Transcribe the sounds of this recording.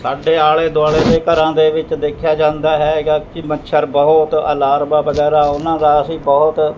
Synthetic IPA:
saːɖeːaːɭeːd̪ʊaːɭeːd̪eːkəɾãːd̪eːʋɪt͡ʃd̪eːkʰːɪjaːd͡ʒãːnd̪aːɦɛːɡaːkɪmətːʃʰəɾbɔɦʊt̪ə̰laːɾbaːbəɡɛːɾaːʊnãːd̪aːəsĩːbɔːʊt̪

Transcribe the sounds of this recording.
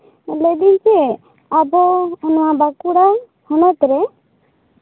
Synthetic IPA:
led̪int͡ʃe | abɔɔnɔabakuɽa | hɔnɔt̪ɾɛ

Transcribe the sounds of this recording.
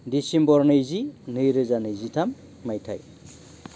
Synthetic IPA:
disimbɔɾnɯjzinɯjɾɯzanɯjzitʰamː | ajtʰa̰j

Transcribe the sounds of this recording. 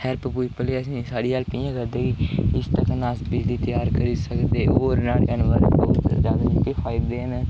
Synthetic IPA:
hɛːɾpəpuːipəleːəsĩːsaːɽiːɦaːlpĩãːkəɾd̪eːkiɪst̪əknaːsbid͡ʒd̪iːt̪əjaːɾkəɾiːsəkd̪eːoːɾnaːlənʋəɾbɔːt̪zjaːd̪aːt͡ʃʊkːeːkʰaːɪd̪eːɦən

